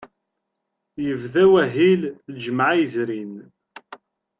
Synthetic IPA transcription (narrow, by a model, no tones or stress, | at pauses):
jəvðæwæɦild͡ʒəməʕizɾin